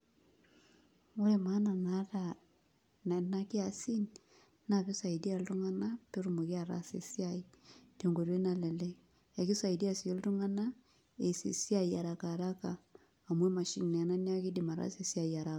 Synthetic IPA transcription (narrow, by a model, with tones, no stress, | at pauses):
o˦ɾe˨ma˦na˨na˨ɾa˨ | n˨na˦ke˦a˨si˦n | na˨βe˦sa˨i˨di˦a˨ltu˦ŋa˦na˦pe˦ɾu˦mo˨ki˦a˨ɾa̰˨sḛ˨si˦a˦i˦de˨ŋɡo˨ɾe˦na˨lɛ˨lɛ˦ | e˨ki˦sa˨i˨di˦a˦˨si˨o˦ltu˦ŋa˦na˦ | e˨sḭ˨si˦a˦˨i˨a˨ɾa˨ka˨ɾa˦kaː˨ | mwɛ˦ma˨ʃḭ˦ŋnɛ˨na˦nja˦ki˦di˨ma˨ɾa̰˦se˨si˦a˦˨ia˨ɾa˦a˨